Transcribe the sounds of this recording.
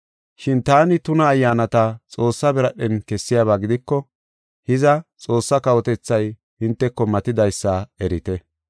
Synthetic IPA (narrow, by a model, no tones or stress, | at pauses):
ʃɪnt̪aːnɪt̪ʊnɐːjːaːnɐt̪ɐt͡sʼo̞ːsːɐbɛɾɐɗɛnkɛsːɪjaːβaːɡɪd̪ɪkːɔ | hɪzɐt͡sʼo̞ːsːɐkɐwɔt̪ɛt͡sːɐj | hɪnt̪ːɛkːɔmɐt̪ɪd̪ɐjsːɐɛɾɪt̪ɛ